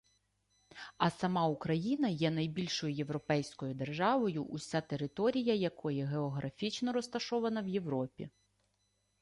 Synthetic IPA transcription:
ɐsɐmɑukɾɐjinɐjɛnɐjbʲilʲʃɔjʊje̞ʋɾɔpɛjsʲkɔjʊd̪e̞rʒɑʋɔjʊʔʊsʲat̪e̞ɾɪt̪ɔɾʲijɐjɐkʰɔjɛɦeɔɦɾɐfʲit͡ʃnɔɾɔst̪ɐʃɔʋɐnɐwje̞wɾɔpʲḭ

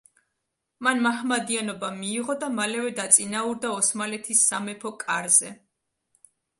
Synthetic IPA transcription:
manmaɦmad̪ianɔbamiːʁɔd̪amalɛvɛd̪at̪sʼinauɾd̪aɔsmalɛt̪ʰisːamɛpʰɔkʼaɾzɛ

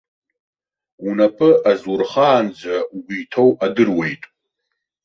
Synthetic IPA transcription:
unapʰɨʔazurχaːnd͡ʒʷauɡʷijtʰowadɨrwe̞jtʼ

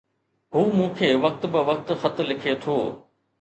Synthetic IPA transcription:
ɦuːmũːkʰeːʋɐk̚t̪bɪʋɐk̚t̪xɐt̪̆lɪkʰet̪ʰoː

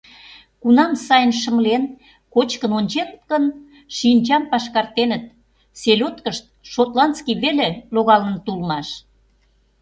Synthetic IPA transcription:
kunɑmsɑjənʃə̆mlen | kot͡ɕkənonʲt͡ɕent̪kən | ʃinʲt͡ɕɑmpɑʃkɑrt̪enət̪̚ | selʲot̪kəʃt̪̚ʃot̪lɑnt͡skiβeleloɣɑlənt̪ulmɑʃ

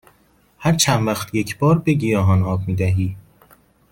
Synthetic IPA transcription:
hæɾt͡ʃʰænvæxt̪ʰjecʰb̥ɒːɾbeɟijɒːɦɒːnɒːb̚miːd̪æɦiː

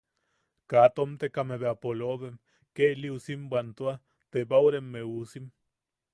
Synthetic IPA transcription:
kat̪omt̪ekameβeapoloβem | keʔliusimbʷant̪ua | t̪ebawɾemːeusim

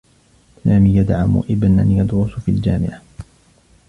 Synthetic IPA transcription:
saːmiːjad̪ʕamʊ̰ʔɪbnʔa̰njɑd̪ɾʊsfḭːld͡ʒaːmɪʕa

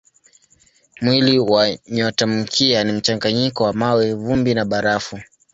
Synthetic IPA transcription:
mwiliwaɲɔtam̩kʰianim̩t͡ʃaŋɡaɲikɔwamawɛvumbinaɓaɾafu

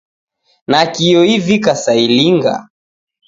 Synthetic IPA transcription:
nakiɔivikasailiŋɡa̰

